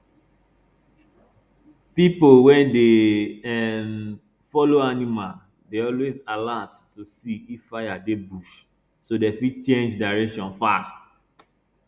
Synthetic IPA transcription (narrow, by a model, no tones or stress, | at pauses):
pipowɛ̃ndeɛm | fɔloanimal | deɔlwezalattusiifːaɪjadebuʃ | sodefit͡ʃẽnd͡ʒdaɹɛkʃɔ̃nfast